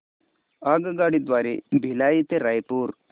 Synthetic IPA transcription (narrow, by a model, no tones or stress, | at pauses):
aɡɡaɽid̪ʋaɾibʱilajit̪eɾajpuːɾ